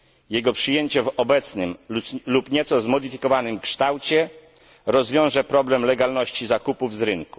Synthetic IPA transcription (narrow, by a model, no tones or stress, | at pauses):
jɛɡɔpʂɘjeɲt͡ɕɛvɔbɛt̪snɘmlupɲɛt̪sɔzmɔd̪ɘfʲikɔvanɘmkʂt̪awt͡ɕɛ | ɾɔzvʲjɔ̃w̃ʐɛpɾɔblɛmlɛɡalnɔɕt͡ɕizakupuvzɾɘŋku̥